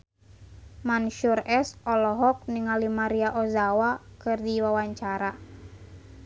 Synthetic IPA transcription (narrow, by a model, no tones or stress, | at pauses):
manʃurɛsɔlɔɦɔk̚niŋalimaɾiaʔɔzawakɨrdiwawaɲt͡ʃaɾa